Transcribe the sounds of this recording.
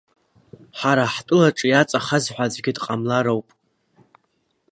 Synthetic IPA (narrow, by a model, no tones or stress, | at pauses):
ħaɾaħtʼʊlaʈ͡ʂʼɨjat͡sʼaχazħʷad͡zɡʲɪdqʼamlaɾowpʼ